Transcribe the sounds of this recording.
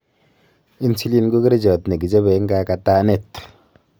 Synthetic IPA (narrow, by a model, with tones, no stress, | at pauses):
i˦n˦si˦li˦nɡu˦ke˦ɾe˦d͡ʒɔ˨tne˨ki˨d͡ʒɔ˦be˨˦ŋ˦ɡa˦ka˨taː˦ne˦˨t